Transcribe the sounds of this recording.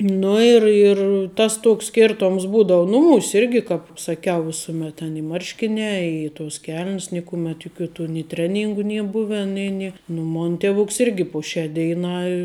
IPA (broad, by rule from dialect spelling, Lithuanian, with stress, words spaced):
ˈnʊ ɪr ɪr tɐs ˈtoːks ˈsʲkʲɛrtoːms ˈbuːdoːʊ ˈnʊˌmuːsʲ ˈɪrʲɡʲɪ ˈkɑːp sɐˈkʲɛʊ ˈʋʲɪsʊmʲɛt tʲɛn ɪ ˈmɐrʲʃʲkʲɪnʲæː ˈɪ toːs kʲɛlʲnʲs ˈnʲɪkʊmʲɛt jʊˈkʲuː tuː nʲɪ ˈtʲrʲæːˌnʲiːŋɡʊ ˈnʲiɛ ˈbʊʋʲɛn ˈnʲeː nʲɪ nʊ ˈmoːn ˈtʲæːʋʊks ˈɪrʲɡʲɪ poː ˈʃʲæː ˈdʲɛɪˌnɑː